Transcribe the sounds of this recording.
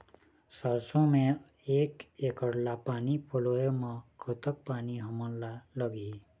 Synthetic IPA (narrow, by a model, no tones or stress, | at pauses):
saɾsõmẽ | eːkekəɽlapaːnipʰolojmãkʰʊt̪ək̚paːniɦəmənlaləɡi